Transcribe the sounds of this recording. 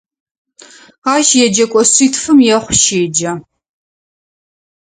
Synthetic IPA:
aːʃjɛd͡ʒɐkʷʼɔsiːtʰfɨmjɛχʷʃeːd͡ʒɐ

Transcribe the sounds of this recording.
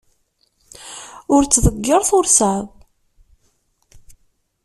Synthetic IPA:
ʊɾt͡sːðəɡːəɾˤθʊɾsaðˤ

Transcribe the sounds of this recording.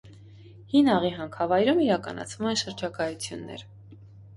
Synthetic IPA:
hinɑʁiɦɑŋkʰɑvɑjɾumiɾɑkɑ̰nɑ̰t͡sʰvumɛnʃəɾd͡ʒɑkɑjut͡sʰjunːɛ̰ɾ

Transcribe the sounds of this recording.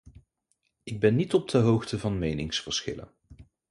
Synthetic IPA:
ɪɡ̚bɛnːitɔp̚dəɦowχtəvɑnmejnɪŋsfəɹsχɪ̰lə̰n

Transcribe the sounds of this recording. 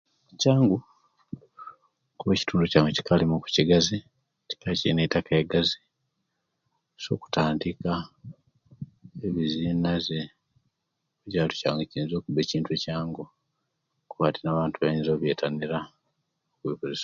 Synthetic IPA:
caːŋɡu | kuβeci̥tuːnducaːŋɡoci̥kalimuku̥ciɡazi | ci̥kaciinetakaeɡazi | so̞̰ku̥taːndika | eβizinaze | oɟaːlucaːŋɡociːnzo̞ːkuβe̞ːciːntuecaːŋɡo | kuβa̰ːtinaːβaːntuβaiɲzo̞ːβjeːtʰaniɾa | okuipozes

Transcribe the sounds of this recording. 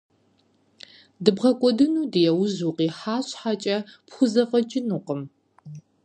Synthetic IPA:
dɨbʁɐkʷʼɔdɨnuːdɨjɛwʊzuːqiːħaːɕħat͡ʃʼɐpxʷʊzɐfɐd͡ʒʼɪnuːqəm

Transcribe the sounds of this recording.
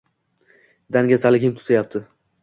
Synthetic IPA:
d̪aŋɡʲasalɪɡʲɪmt̪ʰʊ̥t̪ʰajap̚t̪ʰɪ

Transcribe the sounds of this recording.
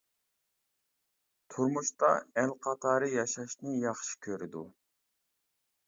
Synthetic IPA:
t̪ʰuɾmuʃt̪ɑɛlqʰɑt̪ʰɑːɾɨjɑʃɑʃnɪjɑχʃi̥kʲʰøɾɪd̪u

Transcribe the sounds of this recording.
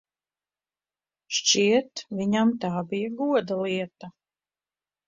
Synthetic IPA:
ʃt͡ʃiɛt̪viɲamt̪aːbijaɡuɔd̪alˠiɛt̪a

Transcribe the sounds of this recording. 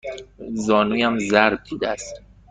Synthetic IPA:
zɒːnuːjæmzæɾb̚d̪iːd̪eæst̪

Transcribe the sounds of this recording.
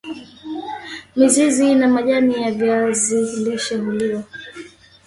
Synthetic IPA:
mizizinamaʄanijaviaziliʃɛmuliɔ

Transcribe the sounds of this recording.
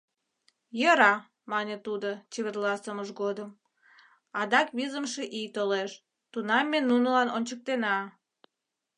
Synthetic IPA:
jəɾɑ | mɑnʲet̪ud̪ot͡ɕeβerlɑsəməʃɡod̪əm | ɑd̪ɑkβizəmʃeʔijt̪oleʃ | t̪unɑmːenunəlɑnonʲt͡ɕək̚t̪enɑ

